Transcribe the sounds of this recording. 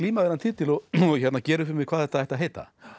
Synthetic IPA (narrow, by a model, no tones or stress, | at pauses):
liːmavɛɾant̪ʰɪt̪ɪlɔçɛt̪nacɛːɾʏfɪɾɪmɪkʰvaːðθɛht̪aɛht̪aɦeːjt̪a̰